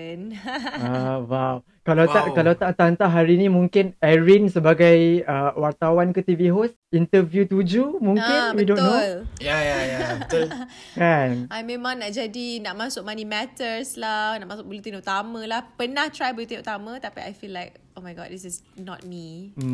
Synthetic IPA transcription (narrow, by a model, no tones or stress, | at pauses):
nawaw | kalawt̪aʔkalawt̪aʔt̪aənt̪aʔɦaɾinĩmũŋkɪnɛɹinsəbaɡajəwart̪awankət̪iviɦos | int̪əvjut̪ud͡ʒumũŋkɪnwidõnːoljajaja | kanamẽmãŋnaʔd͡ʒadinaʔmãsʊk̚manimɛt̪əslahnaʔmasʊk̚bəlut̪inut̪amãlahpənaht̪ɾajbəlut̪inut̪amãt̪apia̰jfilːajk̚omajɡɔt̚disɪsnɔ̰t̚mi